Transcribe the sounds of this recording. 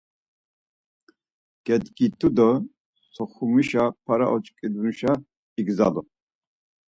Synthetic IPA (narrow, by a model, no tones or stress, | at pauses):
ɡ̥ɛd̪ɡit̪ʰud̪ɔ | sɔχumiʃapʰaɾa̰ʔɔt͡ʃʼkʼid̪uniʃa | iɡza̰lɔ